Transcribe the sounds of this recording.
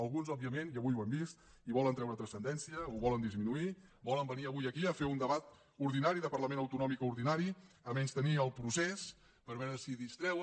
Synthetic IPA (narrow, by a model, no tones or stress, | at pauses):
əlˠɣunzɔb̚iəmenjəβujuɛmbist̪ | iβɔlˠənt̪ɾɛwɾət̪ɾəsənd̪ɛnsiəuβɔlənd̪izminui | bɔləmbəniəβujəkiəfeund̪əβat̪ | uɾðinaɾiðəpəɾləmenəwt̪unɔmikuɾðinaɾi | əmɛnst̪əniəlˠpɾuses | pəɾβɛɾəsiðist̪ɾɛwə